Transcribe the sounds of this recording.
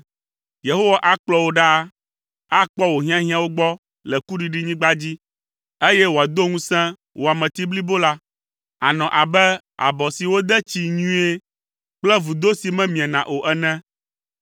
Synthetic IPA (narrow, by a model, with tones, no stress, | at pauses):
je˨ɦo˦wa˨ʔa˦k͡plɔ˦wo˦ɖa˦ | a˦k͡pɔ˦wo˨ɦĩ˦ã˦ɦĩ˦ã˨wo˦ɡ͡bɔ˦ | lɛ˨ku˦ɖi˨ɖi˦ɲĩ˦ɡ͡ba˦d͡ʑi˦ | e˦jɛ˦wo˨a˨d̪o˦ŋũ˦sɛ̃˦ | wʔo˨a˨mɛ̃˨t̪i˦bli˦bo˦la˦ | a˨nɔ̃˨ʔa˨bɛ˦ | a̰˨bɔ˨si˨wo˦d̪ɛ˦t͡ɕi˨ɲũ˦e˦ | k͡plɛ˦vu˨d̪o˦si˨mɛ̃˦mĩ˨ã˨nã˨ʔo˨ʔɛ˨nɛ̃˦